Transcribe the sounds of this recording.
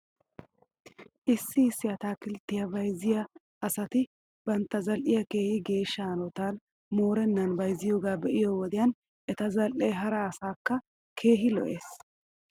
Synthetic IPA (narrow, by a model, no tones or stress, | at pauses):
ʔɪsːɪɪsːɪjɐt̪aːkɪlt̪ːɪjɐbɐjzɪjɐː | sɐt̪ɪ | b̥ɐnt̪ːɐzɐlʔɪjɐke̞ːhɪɡe̞ːʃːɐɐnɔt̪aːn | mo̞ːɾɛnːɐnbɐjzɪjoːɡaːbɛʔɪjoːwɔd̪ɪjɐːn | ʔɛt̪ɐzɐlʔejɦɐɾɐːsaːkːɐ | kʰe̞ːɦɪlɔ̰ʔeːs